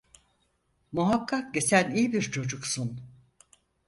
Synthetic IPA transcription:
muɦakʰːak̚ɟe̞sænijibiɾt͡ʃʰo̞d͡ʒuksun

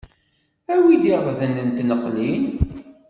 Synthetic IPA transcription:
æwid̪iʁˤðənənt̪nəqːlin

